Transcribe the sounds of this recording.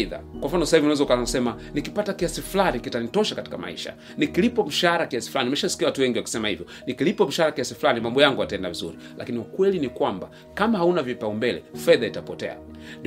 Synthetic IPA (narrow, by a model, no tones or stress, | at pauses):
ða̰kwam̩fanɔsahivinawɛzaukasɛma | nikipatakiasifulanikitanitɔʃakati̥kama̰ḭʃa̰ | nikilipɔm̩ʃaɾakiasi̥fulanimɛʃasi̥kiawatuwɛŋɡiwaku̥sɛmahivjɔ | nikilipɔm̩ʃahaɾakiasifulanimambɔjaŋɡuataɛndavizṵɾi | la̰kiniukwɛlinikwamba̰ | kamahaunavipaumbɛlɛ̰fɛðaitapɔtɛ̰a̰ | ndi